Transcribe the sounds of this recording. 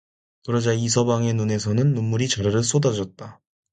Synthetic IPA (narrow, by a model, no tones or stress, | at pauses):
kɯɾʌd͡ʑais̬ʰʌbaŋe̞nune̞s̬ʰʌnɯnːumːuɾit͡ɕʌɾʌɾɯɭs͈odad͡ʑʌt̚t͈a